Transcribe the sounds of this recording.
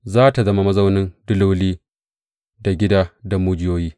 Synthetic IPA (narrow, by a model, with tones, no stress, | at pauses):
zaː˦ta˨zɐ˦ma˦mɐ˦zɐ˦wnɪ˦ndʊ˦lu˦wliː˦ | da˨ɡʲɪ˦daː˦da˨muː˦d͡ʒɪ˦joː˦jiː˦